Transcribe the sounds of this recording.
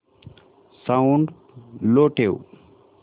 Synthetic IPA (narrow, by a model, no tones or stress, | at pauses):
sauɳɖ | loʈʰew